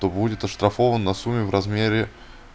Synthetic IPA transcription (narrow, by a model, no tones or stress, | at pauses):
t̪obudʲɪt̪ɐʂt̪ɾɐfovənːɐsumʲːɪvrɐzmʲeɾʲɪ